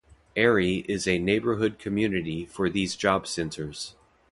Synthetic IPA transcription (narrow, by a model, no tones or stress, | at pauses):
ɛɹiʔɪzɨneɪbə˞ɦʊd̚kʰɨmjʉnɨɾifə˞ðizd͡ʒɑb̥sɛ̃ntʰə˞z̥